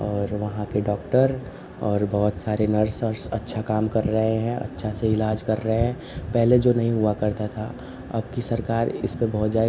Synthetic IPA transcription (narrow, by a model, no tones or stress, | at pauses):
ɔːɾʋɐɦãkeɖɔːkʈəɾ | ɔːɾbɔɦʊt̪saːɾenɐɾsəɾsɐtːʃʰakaːmkɐɾːɐɦeɦɛ̃ʔɐ̰tːʃʰaseɪlaːd͡ʒkɐɾːɐɦeɦɛ̃ː | pɛɦled͡ʒoːnɐɦĩɦuakɐɾt̪at̪ʰa | ɐ̰b̚kisɐɾkaːɾɪ̰spebɔɦʊt̪d͡ʒaːe